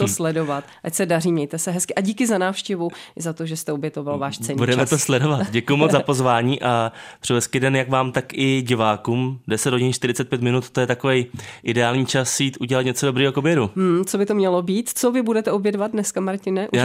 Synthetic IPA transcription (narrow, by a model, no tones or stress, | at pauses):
t̪oslɛdo̞vat̪t̪acsɛdariːmɲɛjt̪ɛsɛɦɛskɪʔaɟiːkɪzanaːfʃcɛvuɪzat̪oʒɛst̪ɛobjɛt̪ovalvaːʃt͡sɛɲbudɛmɛt̪oslɛdovat̪ɟɛkujumot͡szapo̞zvaːɲiːʔapr̥ɪvɛskidɛnjakvaːmt̪akʔɪɟɪvaːkuːmdɛsɛd̪hoɟɪnʃt̪ɪɾɪt͡sɛt̪̚pjɛt̪mɪnut̪t̪ːojɛt̪ako̞vɛjʔɪdɛaːlɲiːt͡ʃasjiːt̪ʔuɟɛlat̪ɲɛt͡sodo̞bɾiːɦokobjɛɾumm̩t͡sobɪt̪omɲɛlobiːt̪t͡sovɪbudɛt̪ɛʔobjɛdvat̪̚dnɛskamaɾcɪnɛʔ